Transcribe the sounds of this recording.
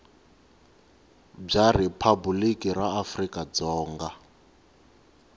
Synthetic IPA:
b͡ʐaripʰabulikiraːfrikad͡zɔːŋɡa

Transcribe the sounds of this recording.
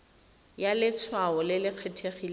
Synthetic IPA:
jalɪt͡sʰwaɔlɪlɪq͡χʰetʰeχil

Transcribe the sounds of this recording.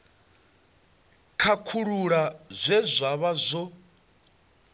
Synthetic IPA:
kʰakʰuɺuɺazʷɛzʷaβazʷɔ

